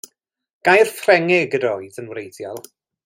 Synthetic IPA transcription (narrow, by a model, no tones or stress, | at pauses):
ɡ̥ajrfrɛŋɪɡədɔɨdənwɾejdjɔlˠ